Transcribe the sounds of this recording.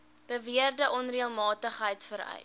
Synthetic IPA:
b̥əviərdəʔɔnriəlˠmɑːtəχɦəjtfəɾœ̰j

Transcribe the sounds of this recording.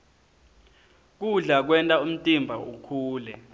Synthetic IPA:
k̬uɮak̬wɛntʼaum̩tʼimbʱaukʰuːlɛ

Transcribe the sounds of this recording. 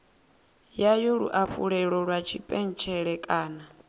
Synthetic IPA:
jajɔɺṵʔaɸuɺɛɺɔɺwat͡ʃʰipʼɛn̩t͡ʃʰɛɺɛkʼaːna

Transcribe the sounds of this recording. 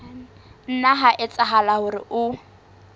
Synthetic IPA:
n̩naɦaʔɪt͡sʼaɦalahʊrɪ̰ʔʊ

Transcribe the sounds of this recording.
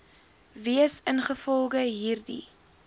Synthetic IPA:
viəsənχəfɔlˠɡəɦiːrdḭ

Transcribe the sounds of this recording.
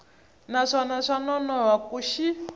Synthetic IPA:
naʂanaʂanɔnɔwakuʃi

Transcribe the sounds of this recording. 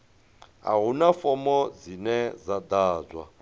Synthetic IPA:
a̰ɦunafɔmɔd͡zinɛzad̪aːd͡zwa̰

